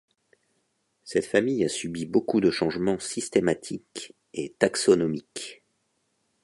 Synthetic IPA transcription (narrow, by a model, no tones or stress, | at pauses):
sɛt̪famijasybibokud̪əʃɑ̃ʒmɑ̃sist̪emat̪ʰik | et̪aksɔnɔmik